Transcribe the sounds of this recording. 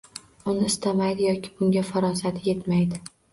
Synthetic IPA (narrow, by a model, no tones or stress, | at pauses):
ʊnɪɪst̪ʰamajd̪ɪjɒkʲʰɪ̥bʊŋɡʲafaɾɒsat̪ʰje̞t̪majd̪ɪ